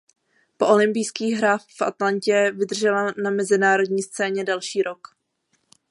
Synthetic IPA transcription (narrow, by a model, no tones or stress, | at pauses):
po̞ʔo̞lɪmpɪjskiːɣɦɾaːffʔa̰t̪laɲcɛvɪdr̩ʒɛlanamɛzɪnaːɾo̞dɲiːst͡sɛːɲɛdɛlʃiːɾo̞k